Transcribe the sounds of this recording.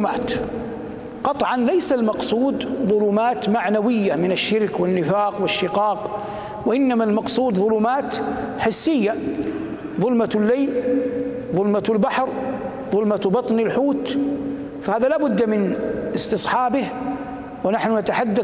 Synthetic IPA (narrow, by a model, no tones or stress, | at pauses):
ma̰ːt̪ | qɑt̪ˤʕɑnlajsalmɑqsˤuːd̪ðˤʊluːmaːt̪maʕnawɪjːamɪnaʃːɪɾkwɪnːɪfaːqwɪʃːɪqɑːq | waʔɪnːamalmɑqsˤuːd̪ðˤʊluːmaːt̪ħɪsːɪjːa | ðˤʊlmalːeːl | ðˤʊlmalbaħɾ | ðˤʊlmabɑt̪ˤnɪlħuːt̪ | fahaːðalaːbʊd̪ːamɪnɪst̪ɨsˤħɑːbɪh | wɪnaħnʊnat̪aħad̪ːa